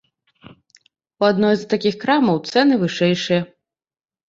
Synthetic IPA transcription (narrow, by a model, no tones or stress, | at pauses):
uad̪nɔjzt̪akʲixkɾamɐwt̪sɛnɨvɨʂɛjʂɨjɐ